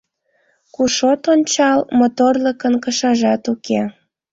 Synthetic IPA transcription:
kuʃot̪onʲt͡ɕɑlmot̪orləkənkəʃɑʒɑt̪uke

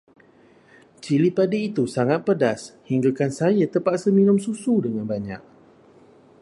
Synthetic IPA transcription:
t͡ʃilipadiːt̪usaŋat̪̚pədashiŋɡakansajat̪əpaʔsəmĩnʊ̃msusudəŋãnbaɲa̰k̚

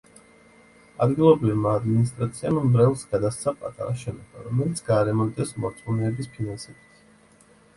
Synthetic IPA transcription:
ad̪ɡilˠɔbɾivmaːd̪minist̪ʼɾat̪sʰiammbɾɛlˠsɡ̥ad̪ast̪sʰapʼa̰t̪ʼa̰ɾaʃɛnɔba̰ɾɔmɛlit̪sʰɡaːɾɛmɔnt̪ʼɛsmɔɾt̪sʼmɔnɛːbispʰinansɛbit̪ʰ

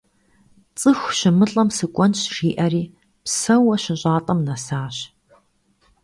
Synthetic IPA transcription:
t͡sʼɨxʷɕɪmɨɬʼɐmsɨkʷʼɔnʃriːʔɐriː | psɐwɐɕɪʑʼaːtʼɐmnɐsaːɕ

